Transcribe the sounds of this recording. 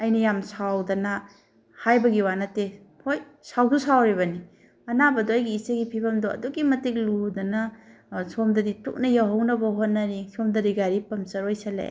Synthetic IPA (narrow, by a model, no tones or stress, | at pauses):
ɐjnɐjamsawdɐnɐ | hajbɐɡiwanɐte | hoj | sawdusawɾiβɐni | ɐnabɐdoɐjɡiːseɡipʰibɐmdoɐ̰duɡimɐtik̚ludɐnɐsomdɐditṵk̚nɐjawɦɐwnɐbɐɦot̚nːɐɾisʰomdɐɾiɡaɾipɐmsɐɾojsɐlḛ